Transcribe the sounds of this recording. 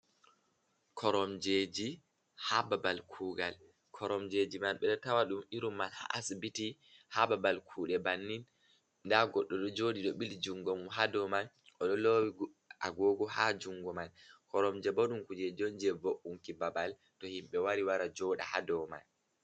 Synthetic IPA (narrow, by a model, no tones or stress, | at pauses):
kʰɔɾɔmd͡ʒed͡ʒi | hababalkʰuɡal | kʰɔɾɔmd͡ʒed͡ʒimalɓɛɗɔtawaɗumiɾumːalha̰ʔasbiti | hababalkʰuːɗɛbanːin | ndaɡɔɗːɔɗɔd͡ʒodiɗɔɓild͡ʒuŋɡɔmɦadɔman | ʔɔɗɔlowi | a̰ɡoɡɔhad͡ʒuŋɡɔmankʰɔɾɔmd͡ʒɛboɗumkud͡ʒɛd͡ʒɔnd͡ʒɛvoʔuŋkibabal | tɔhimɓɛwaɾiwaɾad͡ʒɔɗa̰hadɔma̰n